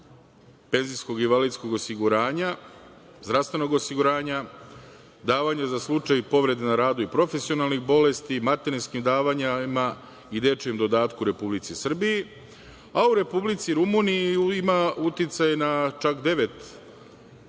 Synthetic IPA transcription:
pe̞nzisko̞ɡiʋalid̪sko̞ɡo̞siɡuɾaːɲa | zd̪ɾast̪ʋe̞no̞ɡo̞siɡuɾaːɲa | d̪aːʋaɲazaslˠut͡ʂajpo̞ʋɾe̞d̪enaɾaːd̪uipɾo̞fe̞sio̞nalˠnixbo̞lest̪imat̪e̞ɾinskimd̪aːʋaɲama | id̪e̞t͡ʃemd̪o̞d̪aːt̪kuɾe̞publit̪sisr̩biji | auɾe̞publit̪siɾumuniiimaut̪it̪sajenat͡ʃakd̪e̞ʋe̞t̪

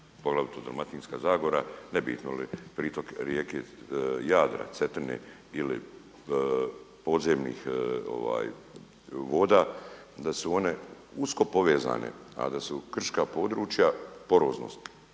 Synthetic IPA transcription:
poɡlˠaʋit̪od̪ɾomat̪iːnskaːzaːɡoɾanebḭːt̪nolḭpɾiːt̪o̞kɾjeːkejaːd̪ɾa̰t̪set̪r̩nḛ | ilḭ | po̞ːd̪zeːmnḭxo̰ʋa̰ːj | ʋo̞ːd̪aː | d̪asuo̞ne̞ | usko̞po̞ʋeːza̰ːnḛa̰d̪asukr̩ʃkapo̞ːd̪ɾuːt͡ʃjapo̞ɾoːzno̰st̪

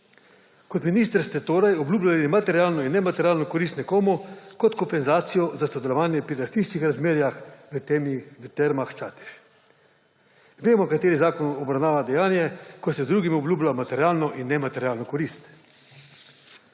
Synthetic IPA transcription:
kɔt̪miniːst̪əɾst̪ɛt̪oːɾajɔbluːblalimat̪ɛɾjaːlnɔinːɛmat̪ɛɾʲjaːlnɔkɔɾist̪nɛkoːmɔkɔt̪kɔmpɛnzaːt̪sijɔzasɔd̪ɛlɔʋaːnjɛpɾiɾast̪iʃt͡ʃixɾazmeːɾjaxʋət̪eːmiʋət̪ɛɾmaxt͡ʃaːt̪i̥ʃ | ʋeːmɔkat̪eːɾizaːkɔnɔbɾawnaːʋad̪ɛjaːnjɛkɔsɛzd̪ɾuːɡimɔblʲuːblamat̪ɛɾjaːlnɔʔinːɛmat̪ɛɾjaːlnɔkɔɾist̪

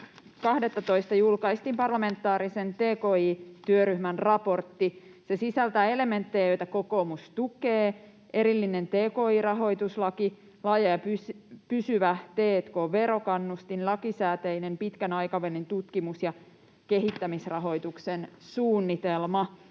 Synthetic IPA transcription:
kɑhde̞t̪ːɑt̪o̞jst̪ɑjulkɑist̪impɑrlɑme̞nt̪ːɑːɾise̞nt̪eːko̞ːiːt̪yøɾyhmænrɑpo̞rt̪ːi | se̞sisælt̪æe̞le̞me̞nt̪ːejjo̞jt̪æko̞ko̞ːmust̪ukeː | e̞ɾilːine̞nt̪eːko̞ːiːrɑɦo̞jt̪uslɑki | lɑːjɑjɑpyspysyʋæt̪e̞ːt̪koʋe̞ɾo̞kɑnːust̪inlɑkisæːt̪ejne̞mpit̪kænɑjkɑʋelint̪ut̪kimusjɑ | ke̞ɦit̪ːæmisrɑɦo̞jt̪uksensuːnːit̪e̞lmɑ

